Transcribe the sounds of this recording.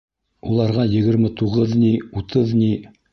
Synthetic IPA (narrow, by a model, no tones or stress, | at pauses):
ulˠɑɾʁɑjɘ̆ɡɘ̆ɾmɘt̪uʁɤðniut̪ʰɤðni